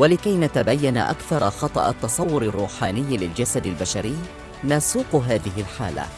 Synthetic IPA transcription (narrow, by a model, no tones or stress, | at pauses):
walɪkajnat̪abajːana̰ʔa̰kθɑɾˤɑxɑt̪ˤɑ̰ʔa̰t̪ːɑsˤɑwːʊɾarːuːħaːnɪjːlɪld͡ʒasad̪albaʃaɾɪjː | nasuːqɦaːðɪɦɪlħaːla̰